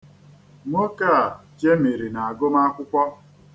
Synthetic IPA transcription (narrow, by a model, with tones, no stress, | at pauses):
mo˦ka˦˨t͡ʃe˦me˨ɾi˨na˨a˨ɡʊ˦ma˦kʷʊ˦kʷɔ˦